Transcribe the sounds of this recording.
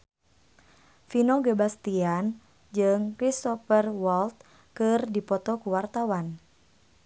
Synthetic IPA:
finoɡəbast̪ian | d͡ʒɨŋkɾist̪ɔfərwɔlt̪̚ | kɨrdipɔt̪ɔkuwart̪awan

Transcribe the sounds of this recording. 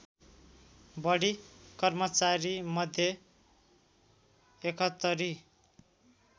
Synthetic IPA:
bʌɽikʌrmʌt͡saɾimʌd̪ʱje | ekʌt̪ːʌɾi

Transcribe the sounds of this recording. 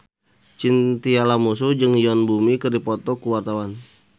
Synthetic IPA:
t͡ʃint̪ialamusud͡ʒɨŋiɔnbumikɨrdipɔt̪ɔkuwart̪awan

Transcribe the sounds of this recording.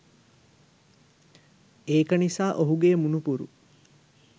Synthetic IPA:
eːkɐnisaːʔoɦuɡeːmunupuɾṵ

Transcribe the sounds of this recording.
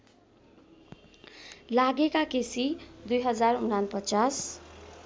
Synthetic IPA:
laɡekakesid̪ujɦʌd͡zarunanpʌt͡sas

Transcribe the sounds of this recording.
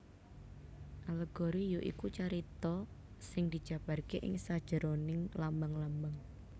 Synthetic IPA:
ʔaləɡ̥ɔɾijoʔḭkut͡ʃaɾit̪ɔ | sɪŋd̪̥i̤d̥ʒ̥ä̤b̥a̤rkeʔɪ̰ŋsad̥ʒ̥ə̤ɾonɪŋlambaŋlambaŋ

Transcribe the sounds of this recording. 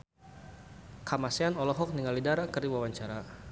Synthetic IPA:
kʰamaseanɔlɔɦɔk̚niŋalidaɾakɨrdiwawaɲt͡ʃaɾa

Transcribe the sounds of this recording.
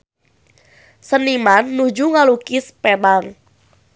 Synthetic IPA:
sənimanːud͡ʒuŋalukispɛbaŋ

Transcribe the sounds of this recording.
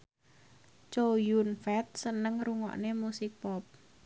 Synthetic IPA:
t͡ʃojunfɛt̪̚sənəŋruŋɔ̰ʔnemusɪk̚pɔp̚

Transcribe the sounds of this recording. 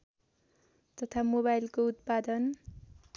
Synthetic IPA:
t̪ʌt̪ʰamoβajlkout̪̚pad̪ʌn

